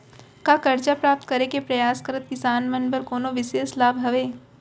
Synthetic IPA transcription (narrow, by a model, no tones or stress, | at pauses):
kakɐɾd͡ʒapɾaːp̚t̪kɐɾekepɾɐjaːskɐɾət̪̚kɪsaːnmɐnbɐɾkoːnoʋɪʃeːslaːbʱɦɐʋeː